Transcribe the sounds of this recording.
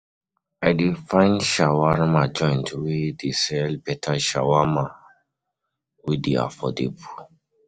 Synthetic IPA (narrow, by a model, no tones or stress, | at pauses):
aɪdefãɪ̃nʃawaɹmãd͡ʒɔ̃j̃ntwedesɛlbɛtʰaʃawamã | wedea̰fɔdḛbu